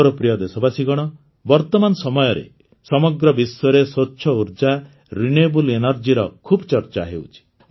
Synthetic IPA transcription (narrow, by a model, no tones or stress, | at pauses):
ɾɔpɾijɔd̪esɔbasiɡɔɽ̃ɔ | bɔɾt̪ɔmansɔmɔjɔɾḛ | sɔmɔɡɾɔbisɔɾesoːʃʰɔuɾd͡ʒa | ɾinebulenɔɾd͡ʒiɾɔkʰubɔt͡ʃɔɾt͡ʃa̰ɦewt͡ʃʰi̥